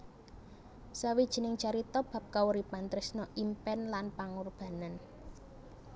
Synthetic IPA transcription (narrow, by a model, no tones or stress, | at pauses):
sawid̥ʒ̥ə̤nɪŋ̥t͡ʃaɾit̪ɔb̥a̤p̚kauɾipant̪ɾɪsnɔʔimpɛnlanpaŋurb̥a̤nan